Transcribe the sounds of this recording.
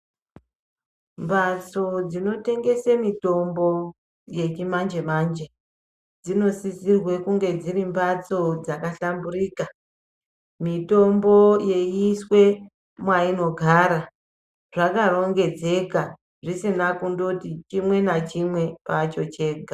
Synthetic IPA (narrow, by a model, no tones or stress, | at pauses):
mbat͡so̞d͡zino̞te̞ŋɡe̞semito̞mbo̞ | je̞t͡ʃimand͡ʒe̞mand͡ʒe | d͡zino̞sisirwe̞kuŋɡe̞d͡zirimbat͡so̞d͡zakaɬamburiːka | mito̞mbo̞je̞jiswe̞ | mwaino̞ɡʱaːɾa | ʐakaro̞ŋɡe̞d͡ze̞ka | ʐisinakundotit͡ʃimwe̞nat͡ʃimwe̞pat͡ʃo̞t͡ʃe̞ːɡʱa